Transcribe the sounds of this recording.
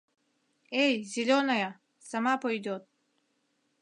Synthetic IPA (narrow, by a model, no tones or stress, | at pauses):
ejzilʲonaja | samaːpoid̪ot̪̚